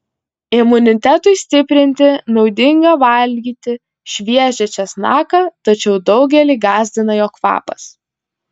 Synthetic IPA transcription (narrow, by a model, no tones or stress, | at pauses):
ɪmʊnʲɪt̪ʲæt̪ʊɪsʲt̪ʲɪpʲɾʲɪnʲt̪ʲɪnɒʊd̪ʲɪŋɡɑʋɐlʲɡʲiːt̪ʲɪ | ʃʲʋʲiɛʒʲɛt͡ʃʲɛsnɑːkɐt̪ɐt͡ʃʲɛʊd̪ɒʊɡʲɛlʲiːɡɑːzʲd̪ʲɪnɐjoːkʋɑ̰ːpɐs